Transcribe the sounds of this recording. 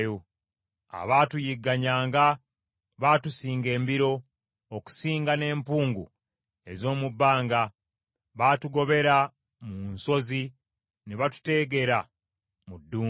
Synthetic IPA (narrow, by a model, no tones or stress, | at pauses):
jo | a̰βaːtujiɡːaɲaːŋɡa | βaːtusiːŋɡe̞ːmbiɾo̞ | oku̥siːŋɡane̞ːmpuːŋɡṵ | e̞zo̞ːmubːaːŋɡa | βatuɡo̞βe̞ɾa | munso̞zi | neβatu̥te̞ɡe̞ɾa | mudːuː